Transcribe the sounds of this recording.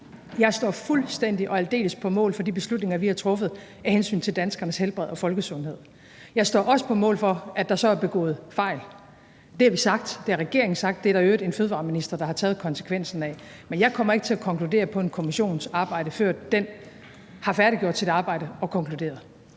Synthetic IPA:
jɑ̈ɪsd̥ɒ̰ːfulsd̥en̰d̥iʔɒ̽æld̥e̝̰ːləspʰɒ̽mɔ̰̽ːlfɒ̽d̥ib̥e̝slud̥ne̝ŋɐʋihɑ̈t͡sʰʁɔ̽fəð̩ˠ | ɛhensy̰ːnt͡sʰe̝ld̥ænsɡ̥ɐnəshelb̥ʁɛð̞̰ˠɒ̽fɒ̽lɡ̥əsɔ̽nɦe̝ð̰ˠ | jɑ̈ɪsd̥ɒ̰ːʔɒ̽sə̥pʰɒ̽mɔ̰̽ːlfɒ̽æd̥ɑ̈sɒ̽æɐb̥e̝ɡ̥ɔ̰̽ːð̞̩ˠfɑ̈ɪ̰l | d̥e̝æɐʋisɑ̈ɡ̥d̥d̥e̝æɐʁɛɡ̥e̝ɐeŋn̩sɑ̈ɡ̥̚d̥ːe̝æɐɾ̥ɑøːd̥e̝nføːðˠʋɑ̰̈ːminisd̥ɐd̥ɑ̈hɑ̈t͡sʰɛːð̩ˠkʰɒ̽nsə̥kʰʋen̰sn̩ɛ | menjɑ̈ɪkʰɒ̽m̰ɐe̝ɡ̥t͡sʰe̝ækʰɒ̽ŋkʰlude̝̰ːɐpʰɒ̽e̝nkʰo̝miɕo̝̰ːn̩sɑ̈ːb̥ɑ̈ɪ̰ɾ̥əføɐ̰dd̥en | hɑ̈fæɐɾiɡ̥jo̰d̥t͡sʰe̝deɑ̈ːb̥ɑ̈ɪ̰ɾ̥əɒ̽kʰɒ̽ŋkʰlud̥e̝̰ːɐðˠ

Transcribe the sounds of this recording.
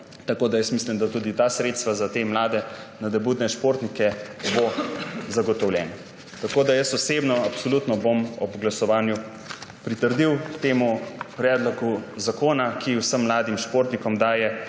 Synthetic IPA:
t̪akoːd̪ajəst̪mislimd̪at̪ud̪it̪aːsɾeːt̪st̪ʋazat̪emlaːd̪ɛ | nad̪ɛbuːd̪nɛʃpoːɾt̪nikɛbozaɡɔt̪ɔwlʲjɛːna | t̪akoːd̪ajəsɔseːbnɔapsɔlut̪nɔbomɔbɡlasɔʋaːnju | pɾit̪əɾd̪iwt̪eːmupɾɛːd̪lɔkuzakoːnakʰiwsəmːlaːd̪imʃpoːɾt̪nikɔmd̪aːjɛ

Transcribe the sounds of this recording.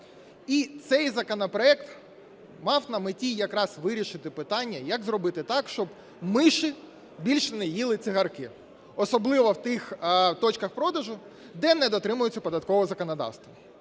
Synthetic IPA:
it̪sɛjzɐkɔnɔpɾɔɛkt̪ | mɑwnɐmɪtʲijɐkɾɑsʋɪɾʲiʃɪt̪ɪpɪt̪ɑnʲːɐjɐɡzrɔbɪt̪ɪt̪ɑkʃt͡ʃɔb | mɪʃɪ | bʲilʲʃɛnɛjilˠɪt͡sʲiɦɐrkɪ | ɔsɔblˠɪʋɔwt̪ɪxt̪ɔt͡ʃkɐxpɾɔd̪ɐʒʊ | d̪ɛnɛd̪ɔt̪ɾɪmʊjʊt͡sʲːɐpɔd̪ɐt̪kɔʋɔzɐkɔnɐd̪ɑ̰wst̪ʋɐ

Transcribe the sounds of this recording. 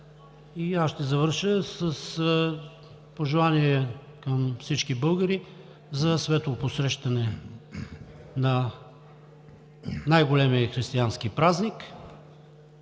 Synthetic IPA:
iasʃt̪ɛzɐvəɾʃəsɐs | poʒɛlˠaniɛ | kɐmfsit͡ʃkibɤlˠɡəɾi | zɐsvɛt̪oposɾɛʃt̪ɐnɛ | nɐ | najɡolɛmiəxɾist̪iansk̟ipɾaznik

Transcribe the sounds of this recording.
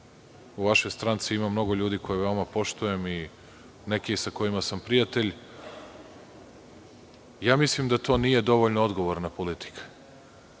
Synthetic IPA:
uʋaʃo̞jst̪ɾant̪siimamːno̞ɡo̞ʎuːd̪iːko̞jeʋe̞omapo̞ʃt̪uje̞mi | nekeisako̞imasampɾijat̪e̞ʎ | jaːmislimd̪at̪o̞ːniːje̞d̪o̞ʋoʎnood̪ɡo̞ʋoɾnapolit̪i̥kʰḁ

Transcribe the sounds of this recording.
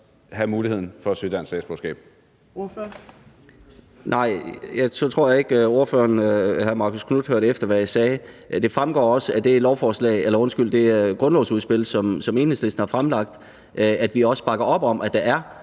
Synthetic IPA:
hæmuːlihe̝ð̰ˠn̩fɒ̽syd̥ænsdɛ̰ːsb̥o̰sɡ̥ɛ̰ːb̥ | nʔɑ̈ɪ̰jɑ̈ɪt͡sʰɒt͡sʰʁo̝ɐ̰jɑ̈e̝ɡ̥øo̝ɐfø̰ɐnhæðˠmɑ̈ːkʰo̥skʰnud̥høɐ̰ɾ̥efd̥ɐʋæjasɛːd̥e̝fʁamɡ̥ɒ̰ːɒ̽səæd̥e̝lɒʊfɒːslɛ̰ːɪelɐɔ̽nsɡ̥yl̰d̥e̝ɡ̥ʁɔ̽nlɒʊsuðˠsb̥e̝l̰sɒ̽msɒ̽me̝ːnəsesn̩hɑ̈fʁamlɑ̈ɡ̥̚d̥ | ʔæd̥ʋiɒ̽sə̥b̥ɑ̈ɡ̥ɐɒ̽b̥ɒ̽m̰ʔæd̥ɑ̈æɐ

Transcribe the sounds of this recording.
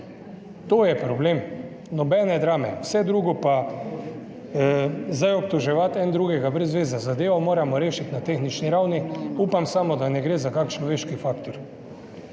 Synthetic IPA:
t̪oːjɛpɾɔbleːm | nɔbɛːnɛd̪ɾaːmɛwsɛd̪ɾuːɡɔpa | zd̪ajɔp̚t̪ɔʒɛʋat̪ɛnd̪ɾuːɡɛɡabɾɛzʋeːzazad̪eːʋɔmoːɾamɔɾeːʃit̪nat̪exnit͡ʃniɾawniuːpamsaːmɔd̪anɛɡɾeːzakakt͡ʃlɔʋeːʃkifaːkt̪ɔɾ

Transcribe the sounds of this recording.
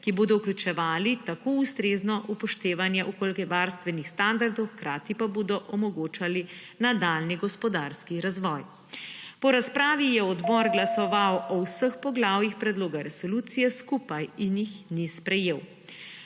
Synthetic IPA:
kiboːd̪ɔwklʲut͡ʃɛʋaːlit̪akoːust̪ɾeːznɔʔupɔʃt̪eːʋanjɛʔukoːlikɛjʋaɾst̪ʋɛnixst̪and̪aɾd̪ɔwxkɾaːt̪ipaboːd̪ɔʔɔmɔɡoːt͡ʃali | nad̪alniɡɔspɔd̪aɾskiɾazʋɔj | pɔɾaspɾaːʋijɛɔd̪bɔɾɡlasɔʋawɔwsəxpɔɡlaːwjixpɾɛd̪loːɡaɾɛsɔluːt̪sijɛskupajinjixnispɾɛjeːw

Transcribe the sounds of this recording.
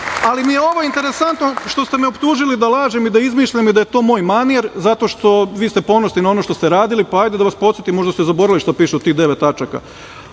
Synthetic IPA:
alimijeo̞ʋoint̪e̞ɾe̞sant̪noʃt̪o̞st̪e̞meo̞pt̪uːʒilid̪alˠaːʒemid̪aizmiːʃʎamid̪aje̞t̪o̞ːmo̞ːjmanieɾzat̪o̞ːʃt̪o̞ʋiːst̪e̞po̞nosninao̞no̞ʃt̪o̞st̪eɾaːd̪ilipaajd̪ed̪aʋaspo̞t̪sjet̪imo̞ʒd̪ast̪ezabo̞ɾaliʃt̪opiːʃut̪iːɣd̪e̞ʋet̪ːat͡ʃaka̰

